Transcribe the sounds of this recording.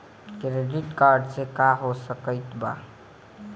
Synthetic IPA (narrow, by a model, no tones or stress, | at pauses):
kɾeɖiʈkaɾɖsekaɦosəkəjt̪ba̰